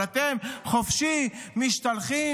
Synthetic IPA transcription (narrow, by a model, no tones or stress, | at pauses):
at̪emχofʃimiʃt̪alχi